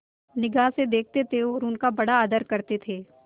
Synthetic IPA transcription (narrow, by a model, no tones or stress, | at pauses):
nɪɡaːsed̪eːk̚ʰt̪et̪ʰeɾuːnkabɐɽaːd̪əɾkɐɾt̪et̪ʰeː